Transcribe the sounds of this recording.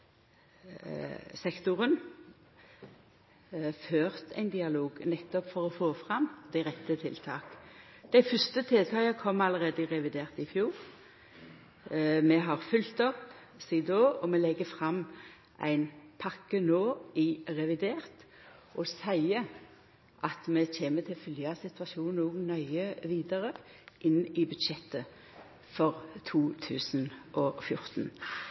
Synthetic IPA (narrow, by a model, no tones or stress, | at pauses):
sɛkt̪ʊʁən | føːʁt̪ʰæ̰ɪnd̪ɪɑloːɡnɛt̪ːɔpfɔʁɔfoːfʁɑmd̪̥æɪʁɛt̪ːət̪ʰɪlt̪ʰɑːkd̪̥æɪfʏst̪ət̪ʰɪlt̪ʰɑːkəkʰɔmːɑləʁeːd̪əɪʁɛʋɪd̪eːʁt̪ɪfjuːʁ | mɛɦɑʁfʏlt̪ɔp | siːd̪oːɔmɛlɛɡːəfʁɑmː | ʔæ̰ɪnpʰɑkːənoːɪʁɛʋɪd̪eːʁt̪ | ʔɔsæɪə | ʔɑt̪mɛt͡ɕeːmət̪ʰɪlfʏljɑsɪt̪ʋɑʃuːnnuːɡnœʏəʋiːd̪əʁə | ʔɪnːɪbʉd̪ʃɛt̪ːə | fɔʁt̪ʰuːt̪ʰʉːsnʔɔfjʊʁt̪n̩